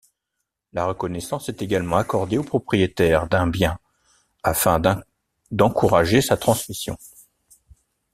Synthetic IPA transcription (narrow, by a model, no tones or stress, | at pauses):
laʁəkɔnɛsɑ̃sɛt̪eɡalmɑ̃akɔʁd̪eopχɔpχijet̪ɛʁd̪ɛ̃bjɛ̃ | afɛ̃ | d̪ɑ̃kuʁaʒesat̪χɑ̃smisjɔ̰̃